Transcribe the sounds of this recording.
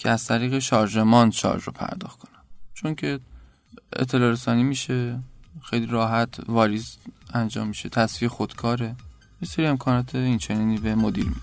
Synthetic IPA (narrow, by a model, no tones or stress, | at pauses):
cʰeæz̥t̪ʰæɾiːɣe̞ʃɒːɾʒe̞mɒːnʃɒ̰ɾʒɾo̰pʰæ̰ɾd̪ɒ̰ːxt̪kʰonæmt͡ʃʰo̞ŋcʰe̞ | ḛt̪ʰːe̞lɒːɾesɒːnimiːʃe̞xe̞jliɾɒːɦæt̪ʰvɒːɾizænd͡ʒɒ̰ːmːiʃe̞t̪ʰæsviexod̪̥kʰɒːɾe̞ | jese̞ɾie̞mkʰɒːnɒːt̪ʰeint͡ʃʰeneniːbe̞mod̪ḭlmi